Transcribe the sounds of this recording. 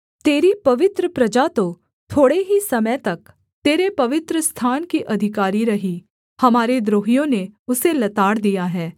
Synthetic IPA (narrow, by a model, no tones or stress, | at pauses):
t̪eːɾipɐʋɪt̪ɾəpɾɐd͡ʒat̪o | t̪ʰoːɽeɦisɐmət̪ɐk | t̪eːɾepɐʋɪt̪ɾəst̪ʰaːnkiʔɐd̪ʱɪkaːɾiɾɐɦi | hɐmaːɾed̪ɾoːɦijõneʊselɐt̪aːɽd̪ijaɦɛː